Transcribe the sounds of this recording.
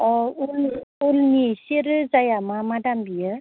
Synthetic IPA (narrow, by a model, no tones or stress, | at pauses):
ɔululnisiɾɯzajamamadambijɯ